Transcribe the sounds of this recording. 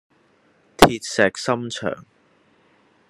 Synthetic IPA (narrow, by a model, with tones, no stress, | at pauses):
t̪ʰiː˧t̚sɛː˨k̚sɐ˥mt͡ʃʰœ̰ː˨˩ŋ